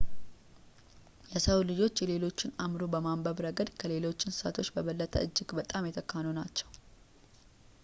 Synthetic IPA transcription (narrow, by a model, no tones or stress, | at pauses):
jɛsəwlɨd͡ʒo̞t͡ʃːjɛle̞lo̞t͡ʃːɪnamɾobəmambəβɾəɡəd̪kʰəle̞lo̞t͡ʃːɪnsɨ̥sat̪ʰo̞t͡ʃːbəβəlːət̪ʰə̰ɨd͡ʒːɪɡbət̪ʼamjɛt̪ʰəkʰːanunat͡ʃːɛ̥w